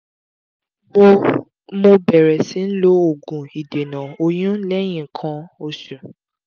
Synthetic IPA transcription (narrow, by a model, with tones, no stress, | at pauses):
o | mo˧bɛ˨ɾɛ˨sĩ˨˦n̩˦lo˦o˦˨ɡũ˨i˨de˨nã˨o˧j̃ũ˦lɛ˦j̃ĩ˨ŋ̩˨kʰã˧o˧ʃũ˨